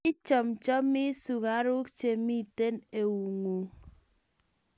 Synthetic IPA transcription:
i˦t͡ʃɔ˨mt͡ʃɔ˦mi˦su˨ka˨˦ɾʊ˦kt͡ʃe˨mi˦˨te˦ne˨wu˨ŋu˨

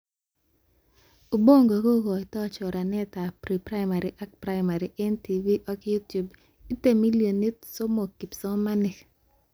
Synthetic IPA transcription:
u˨bo˦˨ŋɡo˨ko˦ɡɔ˨ɪ˨tɔ˦t͡ʃɔ˨ɾa˨nɛ˦ta˨pɾi˨pɾa˦ɪ˦ma˨ɾi˨ʔa˦k̚pɾa˦ɪma˨ɾi˨ʔe˦nti˨vi˦ʔɔ˦kju˦tju˨b | i˦te˨mi˦lio˨ni˦tso˦mo˨ki˨psɔ˦ma˦nɛ˨k

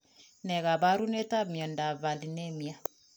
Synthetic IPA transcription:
nɛ˨ɣa˨ba˦ɾu˦nɛ˦ta˦mi˨ɔ˨nda˨va˨li˨nɛ˦mi˨a˦

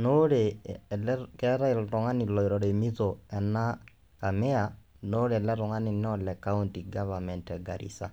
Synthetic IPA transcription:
no˦ɾe˨lkɛ˦ɾa˦i˨ɾɔ˨ŋa˦ni˨lɔ˨i˨ɾɔ˨ɾe˨mi˦to˨ɛ˨na˦ | ka˨mɪ˦a˨ | no˦ɾe˨ɛ˨lɛ˦ɾɔ˨ŋa˦nɪ˨nɛ˦ɔ˨lɛ˨ka˦u˦nti˨ɡa˦va˨mɛ˨ntɛ˨ɡa˨ɾḭ˨sa˨

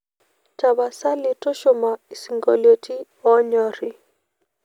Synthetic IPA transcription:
ta˨βa˨sa˦li˨tɔ˦ʃɔ˦ma˨i˨si˨ŋɡɔ̰˨ljo˨ti˦ | ɔ˦ɲɔ˦ɾi˨

